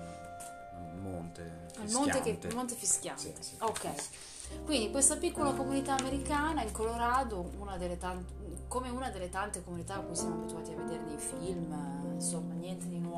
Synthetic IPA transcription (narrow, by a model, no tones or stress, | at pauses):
lmo̰nt̪e | ilmont̪ekeilmont̪̬efisk̟ʲja̰nt̪eokːɛj | kwind̪ikwest̪apikːolakomunit̪aːmeɾikaːnaiŋkoloɾaːd̪ounad̪elːet̪ant̪komeunad̪elːet̪ant̪ekomunit̪aːkːujsjamoabit̪uaːt̪iavːed̪eːɾed̪ejfilmnsomːanjɛnt̪ed̪inwɔ